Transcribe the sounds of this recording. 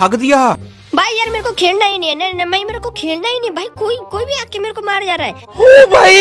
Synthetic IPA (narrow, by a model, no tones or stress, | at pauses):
ɐɡd̪ɪjaːɦ | bʱaːijaɾmeːɾkokʰeːlnainĩɛnɛnɛmɛ̃ĩmeːɾekokʰeːlnainĩbʱaːikoːikoːibʱiaːkːemeːɾokomaːɾd͡ʒaːɾaːɛɦoibʱaːi